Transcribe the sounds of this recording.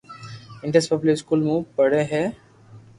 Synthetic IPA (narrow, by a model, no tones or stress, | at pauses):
ɪ̃ɳʈesʈpɔːpuləɾɪskuːlmũpəɽeɦɛː